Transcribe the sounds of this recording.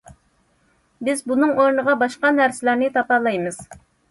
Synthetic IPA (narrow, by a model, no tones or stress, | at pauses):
bɪzbunɨŋoɾnəʁɑbɑʃqɑnæɾsɪlæɾnɪt̪ʰɑpɑlˠɑjmɨz̥